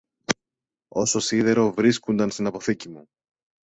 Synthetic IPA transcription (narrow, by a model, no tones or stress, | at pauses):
o̞so̞siðe̞ɾo̞vɾiskund̪ɐnst̪inɐpo̞θicimu